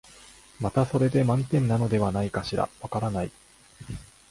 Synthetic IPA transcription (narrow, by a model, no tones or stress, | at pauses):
mat̪aso̞ɾe̞d̪e̞mãnt̪ẽ̞nːano̞d̪e̞β̞anaikaɕiɾa̰βakaɾanai